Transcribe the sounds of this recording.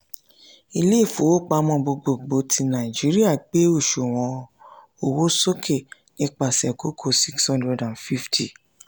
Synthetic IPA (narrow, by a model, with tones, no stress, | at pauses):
i˧le˦˨fo˨wo˦k͡pa˧mɔ̃˧bo˧ɡ͡bo˨ɡ͡bo˨˦ti˧nã˨i˨d͡ʒi˨˦ɾi˦a˦˨k͡pe˨˦o˦˨ʃo˨w̃ɔ̃˨˦ | o˨wo˦so˦kʰe˦˨ | nĩ˦k͡pa˦˨sɛ˨ko˦kʰo˦˨si˦kshɔ̃˦ndɾɛ˨dã˨nfi˦ftʰi˨